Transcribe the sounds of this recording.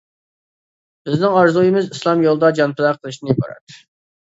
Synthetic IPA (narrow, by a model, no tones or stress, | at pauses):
b̥ɪznɪŋɑɾzujimɪzislˠɑmjolˠd̪ɑd͡ʒɑnpʰɪlæqʰəlˠɨʃnɪibɑ̰ɾɑ̰t̪